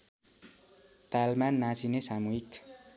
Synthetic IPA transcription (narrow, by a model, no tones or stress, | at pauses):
t̪almanːat͡sinesamuɦik